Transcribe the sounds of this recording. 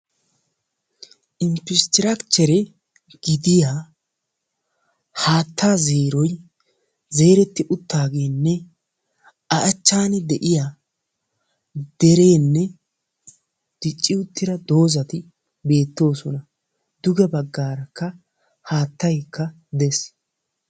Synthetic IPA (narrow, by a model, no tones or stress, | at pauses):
ʔɪmpɪst̪ɪɾɐkt͡ʃːɛɾɛ | ɡ̥ɪd̪ɪjaː | haːt̪ʰːaːzeːɾɔj | ze̞ːɾɛt̪ːɪʔʊt̪ːaːɡe̞ːnːɛ | ɐʔɐt͡ʃːaːnɪd̪ɛʔɪja | d̪̥ɛɾe̞ːnːɛ | d̪̥ɪt͡ʃʼːɪʊt̪ːɪɾɐd̪o̞ːzɐt̪ɪ | be̞ːt̪ːo̞ːsɔnɐ | d̪̥ʊɡɛbɐɡːaːɾɐkːɐ | haːt̪ːɐjkʰːɐ | d̪ɛs